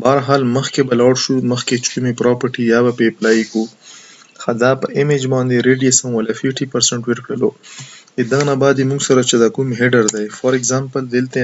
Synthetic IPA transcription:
bɑːɾɦɑːlməxkebɐlaːɽʃuməxket͡ʃkumipɾɑpəɾʈijɑbapeplɑiku | xad̪apəʔɪmed͡ʒbɑ̃ːnd̪eɾeɖijesɐ̃mwɐlafɪfʈipɐɾseɳʈweɾkɽəlo | ed̪aɣnabɑːd̪jimuŋɡsɐɾat͡ʃed̪akumɦeɖəɾd̪ajfaɾeɡzampəld̪elt̪e

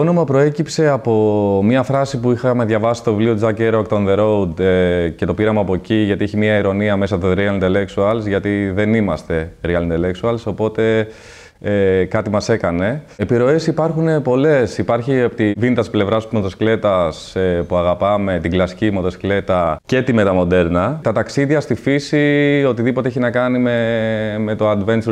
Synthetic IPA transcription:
t̪oono̞mɐpɾo̞e̞cipse̞ɐpo̞mɲɐfɾɐsipuixɐmeðʝɐvɐsi̥st̪oivliod͡zɐceɾokt̪onðeɾo̞ud̪ece̞t̪o̞piɾɐmɐːpo̞ciʝɐt̪ieçimiɐiɾo̞niɐme̞sɐt̪oɾiɐlint̪eleksuɐlsʝɐt̪iðe̞nimɐst̪e̞ɾiɐlint̪eleksuɐlso̞po̞t̪e̞ | kɐt̪imɐse̞kɐne̞epiɾo̞e̞sipɐɾxune̞po̞le̞sipɐɾçiɐpt̪ivint̪ɐssple̞vɾɐsmot̪oskle̞t̪ɐsepuɐɣɐpɐme̞t̪iɡlɐsi̥cimot̪oskle̞t̪ɐce̞t̪ime̞t̪ɐmo̞d̪e̞ɾnɐt̪ɐt̪ɐksiðʝɐst̪ifisio̞t̪iðipot̪eeçinɐkɐnimeme̞t̪oɐd̪vens

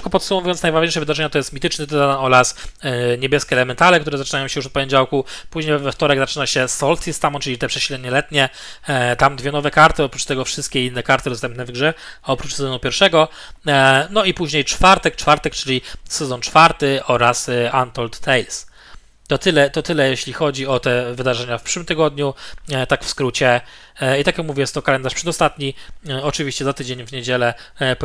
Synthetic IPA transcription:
kɔpɔt̪sumɔvujɔnsnajvaʒɲejʂɛvɘd̪aʐɛɲat̪ɔjɛst̪mʲit̪ɘt͡ʂnɘt̪ɛzaanɔɾasɲebʲjɛskʲɛːlɛmɛnt̪alɛkt̪uɾɛzat͡ʂɨnajɔ̃w̃ɕɛjuʂ̬ɔt̪̚pɔɲed͡ʑawkupuʑɲejvɛft̪ɔɾɛɡzat͡ʂɘnaɕɛsɔlsʲist̪amɔ̃t͡ʂɘlʲit̪ɛpʂɛɕlɛd̪ɲɛlɛt̪ɲɛ | t̪amd̪vʲɛnɔvɛkaɾt̪ɘɔpɾut͡ʂt̪ɛɡɔfʂɘst̪̚kʲeinːɛkaɾt̪ɘd̪ɔst̪ɛmpnɛvɡʐɛɔpɾut͡ʂsɛzɔnupʲjɛɾfʂɛɡɔ | nɔipuʑɲejt͡ʂfaɾt̪ɛk̚t͡ʂfaɾt̪ɛkt͡ʂɘlʲisɛzɔnt͡ʂfaɾt̪ɘʔɔɾasant̪ɔlt̪ːɛjls | t̪ɔt̪ɘlɛt̪ɔt̪ɘlɛjeɕlʲixɔd͡ʑiɔt̪ɛvɘd̪aʐɛɲafpʂwɘmt̪ɘɡɔd̪ɲut̪akfskɾut͡ɕɛ | it̪akjakmuvʲjɛjɛst̪ɔkalɛnd̪aʂpʂɛd̪ɔst̪at̪ɲiɔt͡ʂɘvʲiɕt͡ɕɛzat̪ɘd͡ʑeɲvɲed͡ʑɛlɛp

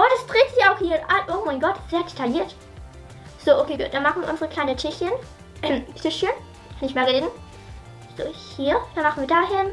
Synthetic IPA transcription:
ʔodasd̥ʁeːtz̥ɪççaʊxhiːʔalʔoːmaɪnɡɔtz̥eːɐd̥etʰaliːɐt | z̥oːʔokʰeːɡṵt̚d̥anmaχn̩viːɐʊnzəʁəkl̥aɪnətʰɪçən | tʰɪʃən | kʰanɪçmaːlʁeːdn̩ | z̥oːhiːɐd̥anmaχn̩viːɐdaːɦɪn

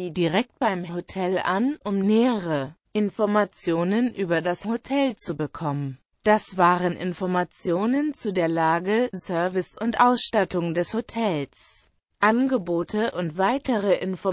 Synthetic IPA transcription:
iːdiʁɛk̚t̚b̥aɪmɦotʰɛlʔa̰nʔʊmneːəʁə | ʔɪnfɔɐmat͡sjoːnənʔyːbɐdashotʰɛlt͡subəkʰɔmən | d̥asv̥aːʁənʔɪ̰nfɔɐmat͡sjoːnənt͡sudeːɐlaːɡəsœɐvɪsʊntʔaʊsʃtatʊŋdɛshotʰɛls | ʔanɡəboːtʰəʔʊntv̥aɪtəʁəʔɪnfɔ

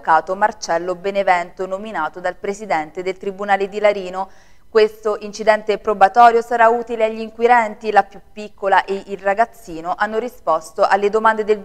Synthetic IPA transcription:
kaːt̪omart͡ʃɛlːobenevɛnt̪onominaːt̪od̪alpɾesid̪ɛnt̪ed̪elt̪ɾibunaːled̪ilaɾiːno | kwest̪oʔint͡ʃid̪ɛnt̪epɾobat̪ɔːɾjosaɾauːt̪ileaʎːiŋkwiɾɛnt̪ilapjupːikːolaʔeʔilraɡat̪sːiːnoʔanːoɾispɔst̪oʔalːed̪omand̪ed̪el

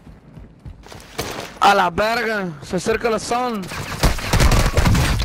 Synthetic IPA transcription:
alabɛɾɡsəsɪɾkəlsan

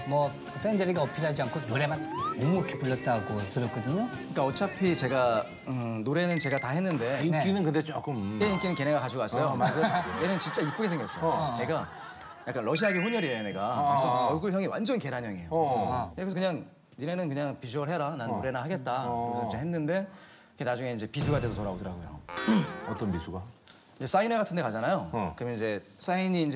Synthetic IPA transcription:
mwʌ | pʰendeɾiɡaʌpʰiɾɦad͡ʑiankʰonoɾe̞mannomuʌkʰepuɭːʌt̚t͈aɡotɯɾʌk͈ʌdɯɲoɯɯɲik͈aʌt͡ɕʰapʰit͡ɕe̞ɡa | ɯnoɾe̞nɯnt͡ɕe̞ɡatahe̞nːɯnde̞nkinɯnkɯndet͡ɕok͈ɯmt͈eik͈inɯnke̞neɡakad͡ʑuɡasʌjomaenɯnt͡ɕint͡ɕ͈aip͈uɡesʰeŋjʌs͈ʌjne̞ɡa | jak͈anɾʌɕ̬ʰiaeɡeɸuɲjʌɾieone̞ɡakɯsʰʌʌɭɡɯɭçjʌŋewa̰nd͡ʑʌnke̞ɾaɲjʌŋejokes̬ʰkɯɲaŋ | niɾenɯnkɯɲaŋpis̬ʰuɯɭɦe̞ɾananoɾe̞nahaɡe̞t̚t͈aɡʌsʰʌid͡ʑeɦenːɯnde̞ | ikʰe̞nad͡ʑuŋe̞ind͡ʑe̞pis̬ʰuɡadwe̞s̬ʰotoɾaodɯɾaɡojo̰ | ʌt͈ʌnpisʰuɡa | ind͡ʑe̞s͈aineɡatʰɯnde̞kad͡ʑanajokɯɾʌmjʌnid͡ʑe̞ | s͈aiɲiːnd͡ʑ

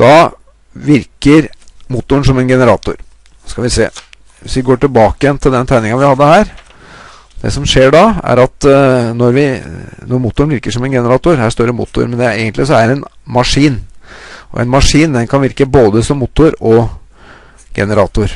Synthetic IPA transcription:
d̪̥ɑ | ʋɪɾkəɾmuːt̪ːʊəɳʂɔmɛnɡɛnəɾɑːt̪ʊ̰ɾ | skɑʋɪsḛː | ʋɪsʋɪɡoːʈɪlbɑːkəjɛnt̪ʰɪld̪ɛnt̪ʰæɪnɪŋɑʋɪhɑd̪ːəhæːɾ | d̪ɛ̰sɔmʂeːɖɑæ̰ɾɑt̪nɔɾʋɪnɔɾmut̪ːʊɾəɳʋɪɾkəʂɔmɛnɡɛnəɾɑːt̪ʊɾhæːʂst̪oːɾəmʊ̰ːt̪ːʊ̰ɾmɛnd̪ɛeːɡənlɪsɔæɾɛnmɑʂiːnʔɔ̰ʔɛ̰nmɑʂiːnd̪ɛnkʰɑnʋɪɾkəboːd̪əsɔmːuːt̪ʊɾɔ | ɡ̥ɛ̰nəɾɑːt̪ʊɾ

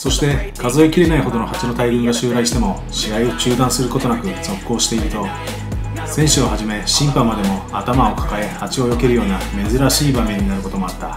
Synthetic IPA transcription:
so̞ɕi̥t̪e̞kʰazo̞ekʲiɾe̞naiɦo̞d̪o̞no̞hat͡ɕino̞t̪aiɡɯ̟̃ŋɡaɕɨːɾaiɕi̥t̪e̞mo̞ | ɕiaio̞t͡ɕɨːd̪ãɰ̃sɨɾɯ̟ko̞t̪o̞nakɯ̟d͡zo̞kːo̞ːɕi̥t̪e̞iɾɯ̟t̪o̞ | sẽ̞ɰ̃ɕɨohaʑime̞ɕĩmpamad̪e̞mo̞at̪amao̞kʰḁkae̞hat͡ɕio̞jo̞ke̞ɾɯ̟jo̞ːname̞zɨɾaɕiːbame̞ɲ̟ːinaɾɯ̟ko̞t̪o̞mo̞at̪ːa

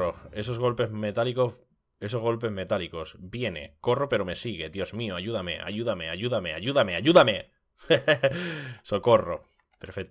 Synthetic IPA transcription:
oe̞s̬o̞zɣ̞o̞lpe̞zme̞t̪aliko̞ | e̞sozɣo̞lpe̞zme̞t̪aliko̞sbje̞ne̞̰ko̞rope̞ɾo̞me̞siɣ̞e̞ðjo̞zmioaʝuðame̞̰ʔa̰ʝuðame̞aʝuðame̞aʝuðameaʎuðame̞ | so̞ko̞ro̰ | peɾfek

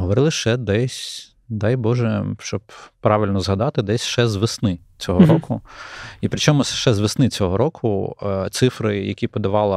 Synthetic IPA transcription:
ɦɔʋɔɾɪlˠɪʃɛd̪ɛsʲ | d̪ɑjbɔʒɛʃt͡ʃɔbpːɾɑʋʲɪlʲnɔzɦɐd̪ɑt̪ɪd̪ɛsʲʃɛzʋɪsnɪ | t͡sʲɔɦɔɾɔkʊipɾɪt͡ʃɔmʊʃɛzʋɪsnɪt͡sʲɔɦɔɾɔkʰʊt̪sɪfɾɪjɐkʲipɔd̪ɐʋɑlˠɐ

